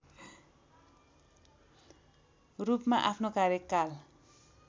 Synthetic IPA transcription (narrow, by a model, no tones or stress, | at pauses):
rupmaʔapʰnokaɾekːal